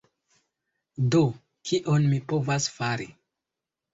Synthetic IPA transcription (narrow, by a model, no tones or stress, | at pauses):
do | kiʔonmipovasfaɾi